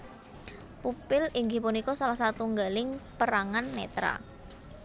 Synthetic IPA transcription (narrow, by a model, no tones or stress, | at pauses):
pupɪliŋɡipunikɔsalahsat̪uŋɡalɪŋpəɾaŋanmḛt̪ɾa̰